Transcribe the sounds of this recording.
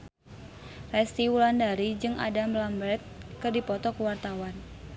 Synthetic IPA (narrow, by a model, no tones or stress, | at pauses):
rɛst̪iwulandaɾid͡ʒɨŋʔa̰damlambɾɛt̪̚kɨrdipɔt̪ɔkuwart̪awan